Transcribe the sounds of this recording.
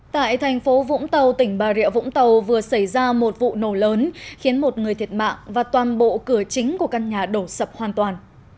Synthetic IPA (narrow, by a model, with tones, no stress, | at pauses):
t̪a̰ː˧˨jt̪ʰɛ˨˩jŋ̟fo˨˦vʊ̰˧˥ŋ͡mt̪ə˨˩wt̪ï˧˩ŋ̟ɓaː˨˩ɾḭ˧˨əvʊ̰˧˥ŋ͡mt̪ə˨˩wvɨ˨˩əsa˧˩jzaː˧mo˨˩t̚vṵ˧˨no˧˩ləː˨˦nxi˨˦ənmo˨˩t̚ŋɨ˨˩əjt̪ʰi˨˩ə˩t̚ma̰ː˧˨ŋvaː˨˩t̪waː˨˩nɓo̰˧˨kɨ˧˩ət͡ɕï˨˦ŋ̟ku˧˩əka˧nɲaː˨˩ɗo˧˩sə˨˩p̚hwaː˨˩nt̪waː˨˩n